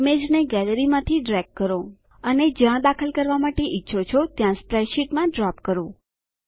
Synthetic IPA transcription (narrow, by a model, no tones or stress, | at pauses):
med͡ʒneɡɛləɾimãt̪ʰiɖɾɛɡ̚kːəɾo | əned͡ʒãd̪akʰəlkəɾʋamaʈeʔɪtːʃʰot͡ʃʰot̪jãspɾɛʃiʈmãɖɾapkəɾõ